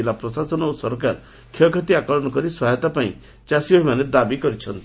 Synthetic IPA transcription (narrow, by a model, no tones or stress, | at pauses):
ilapɾɔsasɔnɔusɔɾɔkaɾ | kʰɔkʰat̪iakɔɭɔnɔkɔɾiswaɦɔt̪apaḭ̃ | t͡ʃasibɔɦimaned̪abikɔɾit͡ʃʰɔnt̪i